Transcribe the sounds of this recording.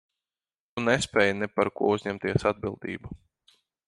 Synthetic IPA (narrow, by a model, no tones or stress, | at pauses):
t̪unespʲɛːjnɛpaɾkṵɔuzʲɲɛmt̪iɛsad̪̚bilˠd̪ḭːbu